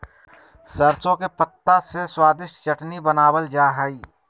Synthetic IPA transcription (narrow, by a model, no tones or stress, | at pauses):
səɾt͡ʃõkepət̪ːaseswaːd̪ɪʃʈt͡ʃəʈnibənaːwəld͡ʒaːɦaiː